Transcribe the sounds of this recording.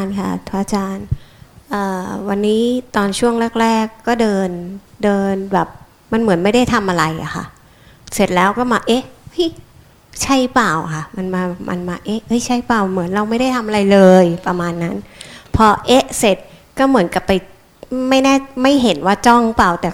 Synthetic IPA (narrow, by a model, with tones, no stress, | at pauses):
nkʰa̰˥˩t̪ʰu˧˩ʔa˧t͡ɕaː˧nʔɤː˨˩wa˧nːiː˦˥t̪ɔː˧nt͡ɕʰu˥˩əŋlɛː˥˩k̚ɾɛː˥˩kːɔː˥˩dɤː˧ndɤː˧nbɛː˨˩p̚ | ma˧nmɯ˩˦ənma˥˩jda˥˩jt̪ʰa˧mʔa˧ɾa˧jʔa̰˨˩xʰa̰˥˩ | se˨˩t̪̚lɛː˦˥wkɔː˥˩maː˧ʔe˦˥ʔhɯ˦˥˩j | t͡ɕʰa˥˩jpaː˨˩wkʰa˥˩ma˧nmaː˧˨˩mʔa̰˧nmaː˧ʔe˦˥hɤ˦˥˩jt͡ɕʰa˦˥˩jpaː˨˩wmɯ˩˦ənɾa˧wma˥˩jda˥˩jt̪ʰa˧mʔa˧ɾa˧jlɤː˧jpɾa˧maː˧nːa˦˥npʰɔ˧ʔe˦˥ʔse˨˩t̪̚ | kɔː˥˩mɯ˩˦ənka˨˩pːa˧j | ma˥˩jnɛː˥˩ma˥˩jɦe˩˦nwaː˥˩t͡ɕɔ˥˩ŋpaː˨˩wt̪ɛː˨˩